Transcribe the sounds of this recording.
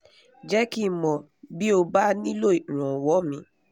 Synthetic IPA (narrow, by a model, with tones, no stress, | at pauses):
d͡ʒɛ˦ki˦˨mɔ̃˨ | bi˦o˧ba˦nĩ˦lo˦˨i˨ɾ̃ɔ̃˨wɔ˨˦mĩ˧˦